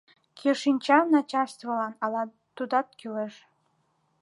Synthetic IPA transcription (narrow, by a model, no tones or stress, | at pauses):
kʰeʃinʲt͡ɕɑnɑt͡ɕɑrst̪vəlɑnɑlɑ | t̪ːud̪ɑt̪̚kyleʃ